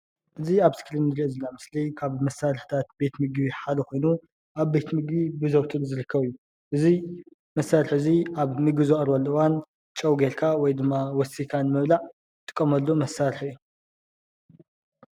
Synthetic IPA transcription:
ʔɨziaβsɨ̥kʰlɨnɨɾizɨlːamɨslikʰaβmɐsalɨħt̪ʰat̪̚be̞t̪mɨɡbiħalɨxo̞jnu | ʔaβbe̞t̪mɨɡbibɨzɐwt̪ʰɨɾzɨɾɨkʰːɐβijːu | ʔɨzi | mɐsːaɾħɨziʔaβmɨɡbizɐχʼɾbɐlːɐɨwan | t͡ʃʼɐwɡeɾkʰawɔjd̪ɨmːawɔsːikʰanmɐβlaʕ | t̪ʼɨ̥kʼːɐmɐlːumɐsːaɾħiij

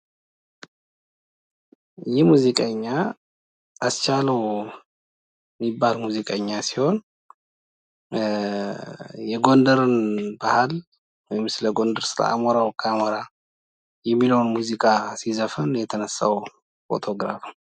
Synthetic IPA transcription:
jɪhmuzikʼəɲːa | ʔːst͡ʃaləw | mibːalmuzikʼəɲːasiho̞n | jɛɡo̞nd̪əɾɨnbahal | wɔjmːɨsləɡo̞nd̪əɾsɨɾa̰ʔa̰mɔɾawkʰʼːamɔɾa | jɛmːiləwnmuzikʼasizəfənjɛt̪ʰənəsːa̰w | fo̞̰t̪ʰo̞ɡɾa̰f

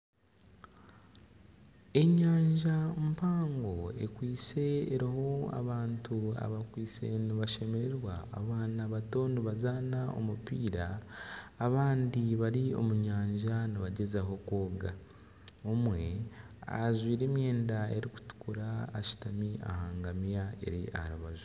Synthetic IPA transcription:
e̞ɲaːɲʒampaːŋɡo̞ḛkwiːse̞ːɾihoa̰βaːntʰua̰βakwiːse̞̰niβaʃe̞me̞ɾeɾwa̰ːβaːnaβato̞niβazaːnao̞̰mupiːɾaː | βaːndiβaɾio̞̰muɲaːɲʒaniβaɟe̞zaɦo̞kwo̞ːɡa | omwe̞ | a̰ʒwiːɾe̞ːmje̞ːndae̞ɾiku̥tu̥kuɾaːʃi̥tamia̰haːŋɡamjae̞̰ɾia̰haɾuβazu

